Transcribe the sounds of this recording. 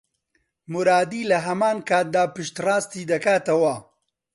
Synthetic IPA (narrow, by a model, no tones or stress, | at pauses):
mʊɾaːd̪iːlɐɦɐmaːnkʰaːt̪̚d̪aːpɨʃt̪raːst̪iːd̪ɐkaːt̪ɐwɐ